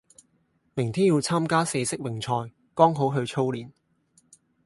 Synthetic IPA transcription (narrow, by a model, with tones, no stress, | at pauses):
mɪ˨˩ŋt̪ʰiː˥njiː˧wt͡sʰaː˥mkaː˥se˧sɪ˥k̚wɪ˨˩ŋt͡sʰɔː˧j | kɔː˥ŋɦo˨˥wɦɵ˧ɥt͡ʃʰo˥wliː˨˩n